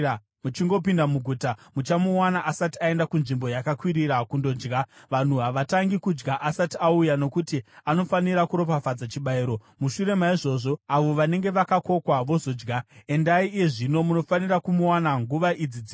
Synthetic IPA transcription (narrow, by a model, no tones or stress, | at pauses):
mut͡ʃiŋɡo̞pindamuɡʱuːtamut͡ʃamuwanaʔasatiae̞ndakunʐimbo̞jakakwiɾiɾakundo̞d͡ʒɡaʋan̤uɦaʋataŋɡikud͡ʒɡaʔasatiaujano̞kutiano̞faniɾakuɾo̞pafad͡zat͡ʃiɓaiɾo̞ | muʃuɾe̞maiʐo̞ʐo̞aʋo̞ʋane̞ŋɡe̞ʋakako̞kwaʋo̞zo̞d͡ʒɡae̞ndaieʐino̞muno̞fanirakumuwanaŋɡuʋaʔid͡zid͡zi